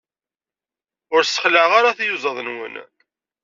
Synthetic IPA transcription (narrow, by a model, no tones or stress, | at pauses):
ʊɾsə̥χləʕʁaɾaθjuzˤəðˤnwə̰n